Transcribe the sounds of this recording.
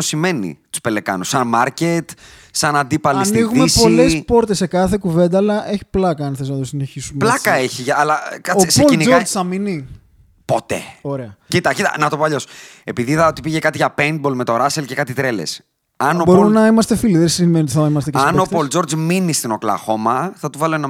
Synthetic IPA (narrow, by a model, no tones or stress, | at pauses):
osime̞nḭt̪u̥spele̞kɐ̰nusɐnmɐɾcet̪sɐnɐnd̪ipɐliɐsniɣumepo̞lespo̞ɾt̪esːe̞kɐθe̞kuve̞nd̪ɐːlɐʔe̞çi̥plɐkɐɐnθeznɐt̪osine̞çisumplɐkɐeçiʝɐːlɐkɐoispolinizoɾzθɐmini | po̞t̪e̞̰o̞ɾe̞ɐcit̪ɐcit̪ɐ̰nɐt̪o̞poɐʎo̞s | e̞piðiθɐot̪ipiʝekɐt̪iʝɐpend̪̚bo̞lmet̪o̞ɾɐse̞lce̞kɐt̪it̪ɾe̞le̞̰s | ɐnobo̞ɾunɐimɐst̪efiliðesimenot̪iθɐimɐst̪csɐnopold͡zo̞ɾd͡zminist̪ino̞klɐ̰xomɐθɐt̪uvɐloenɐ